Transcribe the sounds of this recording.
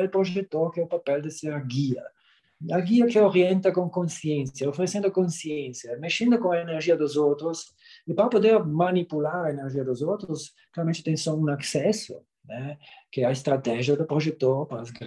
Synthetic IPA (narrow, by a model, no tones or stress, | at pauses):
lpɾoʒet̪ːoɾkɛupapɛld̪eseɾaɡiɐ̰ | aɡiɐkeoɾjɛnt̪akõŋkõnsjɛ̃nsjaofɾesɛ̃nd̪okõnsjɛnsjameʃẽnd̪okõŋaeneɾʒiɐd̪ozowt̪ɾos | epɾapod̪ɛɾmanipulaɾaeneɾʒiɐd̪ozowt̪ɾos | klaɾɐmẽnt͡ʃɪt̪ɛ̃ŋsɔunaksɛsʊ̰ | nɛkeaest̪ɾat̪ɛʒiɐd̪opɾoʒet̪ːoɾpaɾazɡɾ